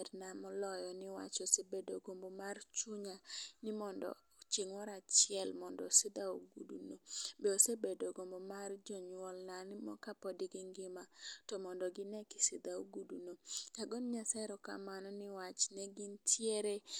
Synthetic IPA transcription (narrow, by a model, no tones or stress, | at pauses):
dnamɔlɔjɔnɪwa̰t͡ʃosebedoɡombomart͡ʃuɲanɪmɔndɔ̰ | t͡ʃiŋwɔɾat͡ʃjɪɛlmɔndɔsed̪aoɡudṵnobeosebedoɡombomard͡ʒɔɲwɔlnanɪmɔ̰kapɔdɪɡɪŋɡɪmatɔmɔndɔɡɪnɛkɪ̥sid̪aoɡudunokaɡɔnɲasaɾɔka̰manɔnɪwat͡ʃnɛɡɪntʰjeɾe